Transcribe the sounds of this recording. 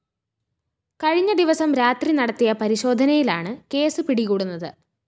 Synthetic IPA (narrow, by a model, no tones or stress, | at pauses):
kɐɻiɲːɐd̪iʋɐsɐmɾaːt̪rinɐɽɐt̪ːijɐpɐɾiɕo̞ːd̪ʱɐnɐjilaːɳɨke̞ːsɨpiɽiɣuːɽunːɐðɨ̰